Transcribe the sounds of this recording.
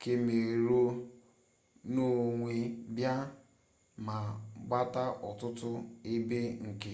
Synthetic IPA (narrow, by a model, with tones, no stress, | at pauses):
ke˨me˨ɾo˦ | no˦ŋʷe˦bja˦ | ma˨ɡ͡ba˦ta˦ʔɔ˨tʊ˦tʊ˦e˦be˦ŋ̩˨kɪ˦